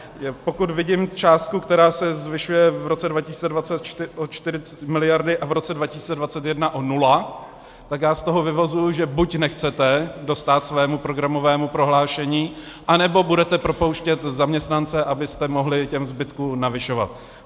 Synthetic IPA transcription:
po̞kut̪vɪɟɪmt͡ʃaːst̪̚kukt̪ɛɾaːsɛzvɪʃujɛvɾo̞t͡sɛdvacɪsi̥ːt͡sɛdvat͡sɛt̪t͡ʃʔot͡ʃt̪ɪɾɪt͡sɛmɪlɪjaɾdɪʔavɾo̞t͡sɛdvacɪ̥si̥ːt͡sɛdvat͡sɛt̪jɛdnaʔonula | t̪akjaːst̪o̞ɦo̞vɪvozujʊʒɛbucnɛxt͡sɛt̪ɛdo̞st̪aːt̪svɛːmupɾo̞ɡɾamo̞vɛːmupɾo̞ɦlaːʃɛɲiːʔanɛbo̞budɛt̪ɛpɾo̞po̞wʃcɛt̪zamɲɛst̪nant͡sɛʔabɪst̪ɛmo̞ɦlɪcɛmzbɪt̪kuːnavɪʃo̞va̰t̪̚

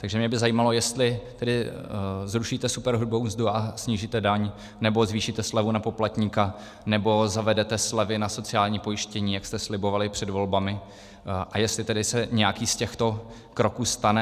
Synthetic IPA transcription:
t̪aɡʒɛmɲɛbɪzajiːmalo̞jɛst̪lɪt̪ɛdɪ | zɾuʃit̪ɛsupɛɾɦud̚bowzduasɲiːʒit̪ɛdaɲ | nɛbo̞zviːʃit̪ɛslɛvunapo̞plat̪ɲika | nɛbo̞zavɛdɛt̪ɛslɛvɪnaso̞t͡sɪaːlɲiːpo̞jɪʃcɛɲiːjakst̪ɛslɪbo̞valɪpr̝̥ɛdvo̞lbamɪ | ʔajɛst̪lɪt̪ɛdɪsɛɲɛjakiːscɛxt̪o̞ | kɾo̞kuːst̪anɛ

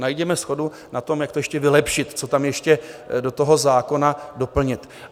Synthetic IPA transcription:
najɟɛmɛsxo̞du | nat̪o̞mjakt̪ojɛʃcɛvɪlɛpʃɪt̪t͡so̞t̪amjɛʃcɛdo̞t̪o̞ɦo̞zaːko̞nado̞pl̩ɲɪt̪

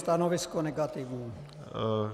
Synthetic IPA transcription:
t̪ɑnoʋiskoneɡɑt̪iʋnun

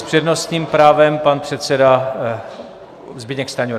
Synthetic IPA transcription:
spr̥ɛdno̞st̪ɲiːmpɾaːvɛmpanpr̥ɛt̪sɛda | zbɪɲɛkst̪aɲoɾ

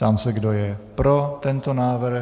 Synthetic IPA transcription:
amsɛɡdojɛpɾot̪ɛnt̪onaːvrɾ̩

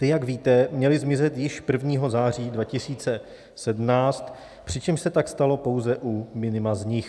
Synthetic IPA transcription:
t̪ɪjaɡviːt̪ɛmɲɛlɪzmɪzɛt̪jɪʃpr̩vɲiːɦo̞zaːr̝iːdvacɪsiːt͡sɛ | sɛdmnaːt͡st̪ | pr̝̥ɪt͡ʃɛmʃsɛt̪akst̪alo̞po̞wzɛʔumɪnɪmazɲɪx

